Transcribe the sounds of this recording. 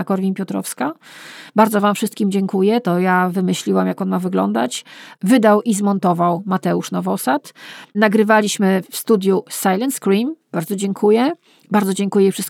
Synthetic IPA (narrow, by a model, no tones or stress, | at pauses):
akɔɾvʲiɲpʲjɔt̪ɾɔ̰fskabaɾd̪zɔvamfʂɘst̪̚kʲimd͡ʑɛŋkujɛt̪ɔjavɘmɘɕlʲiwamjakɔnmavɘɡlɔ̰nd̪a̰t͡ɕvɘd̪awʔizmɔnt̪ɔvawmat̪ɛuʂnɔvɔsat̪naɡɾɘvalʲiɕmɘfst̪ud̪ʲjusajlɛnt̪skɾimb̥aɾd̪zɔd͡ʑɛŋkʰujɛ | baɾd̪zɔd͡ʑeŋkujɛifʂɘst̪̚